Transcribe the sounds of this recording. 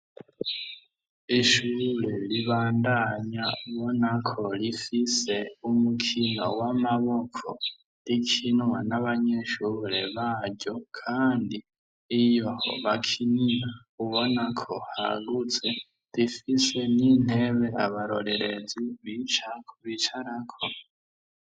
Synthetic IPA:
iʃuɾe̞liβaːndaɲauβo̞nakʰo̞lifise̞umukʰino̰wamaβo̞kʰo̰ | likʰinwa̰naβaɲeʃuːɾe̞̰βaɾɟo̞kʰaːndiː | joho̰βakʰinia | uβo̞nakʰo̞ha̰ɡut͡se̞ | lifise̞nin̥e̞βe̞a̰βaɾo̞̰ɾe̞ɾe̞ziβit͡ʃakʰuβit͡ʃʰaɾakʰo

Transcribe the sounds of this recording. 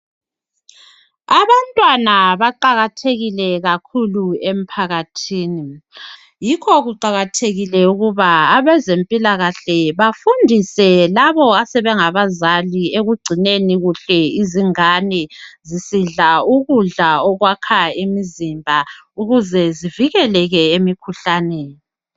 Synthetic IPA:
aβantʼwanaβaǃaɣatʰeɣilɛɣakʰuluem̩pʰaɣatʰiːni | jikʰɔɣuǃaɣatʰeɣilɛuɣuβaːβɛzempʼilaɣaɬɛβafundʱisɛlaβɔasɛβɛŋaβazalieɣuɡ͡ǀʱineniɣuɬɛiziŋanɛzisiɮauɣuɮaɔɣwakʰaemizimbʱa | uɣuzɛziviɣɛlɛɣɛemikʰuɬaːnɛ

